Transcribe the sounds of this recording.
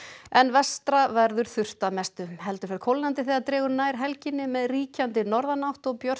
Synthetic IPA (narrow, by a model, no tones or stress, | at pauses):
ɛnvɛst̪ɾavɛɾðʏɾ̥θʏr̥t̪amɛst̪ʏmhɛl̪t̪ʏɾ̥fɛɾkʰɔwlnant̪ɪθiaðt̪ɾɛːɣʏɾnaːjɾ̥ɦɛlcɪnːɪmɛðriːcant̪ɪnɔɾðanawht̪ɔɣpjœr̥